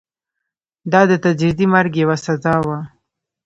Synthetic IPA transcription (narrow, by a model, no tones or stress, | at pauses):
d̪ɑd̪ət̪ad͡ʒɾid̪imaɾɡjwasazɑwa